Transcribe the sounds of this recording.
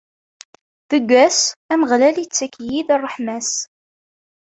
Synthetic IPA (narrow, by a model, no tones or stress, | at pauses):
ðəɡʷːæsæməʁlælit͡sːækjiðrˤːəħmæs